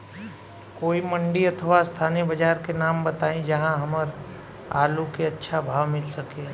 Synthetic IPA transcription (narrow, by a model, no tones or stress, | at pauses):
koːimɐ̃ɳɖiɐt̪ʰəʋast̪ʰaːnibəd͡ʒaːɾkenaːmbɐt̪aːẽd͡ʒɐɦãɦɐməɾ | a̰ːlukeɐtːʃʰabʱaːʋmɪlsɐke